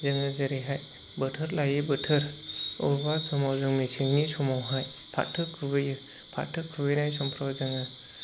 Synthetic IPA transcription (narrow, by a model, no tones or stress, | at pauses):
zɯŋɯzəɾiɦaj | bɯtʰɯɾlajɯbɯtʰɯɾɔbasɔmawzɯŋmisiŋnisɔmawɦaj | pʰa̰tʰɯkʰɯbɯjɯ | pʰa̰tʰːɯkʰɯbɯjnajsɔmpʰɾɔwzɯŋɯ